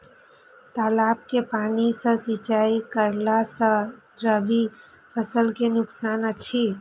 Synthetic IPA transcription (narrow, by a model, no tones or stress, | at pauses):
t̪aːlaːpkepaːnisə̃sɪt͡ʃaːikəɾlasə̃ | ɾəbʱi | pʰəsəlkenʊksaːnət͡ʃʰi